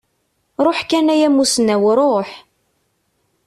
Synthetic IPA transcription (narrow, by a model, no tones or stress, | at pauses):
ɾˤoħkænæjæmːusənæwɾˤoħ